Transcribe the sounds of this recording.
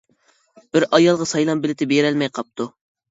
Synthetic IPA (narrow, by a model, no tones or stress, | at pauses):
b̥ɪɾʔɑjɑlˠʁɑsɑjlˠɑmbɪlɪt̪ʰɪbeɾɛlmɛjqʰɑp̚t̪ʰu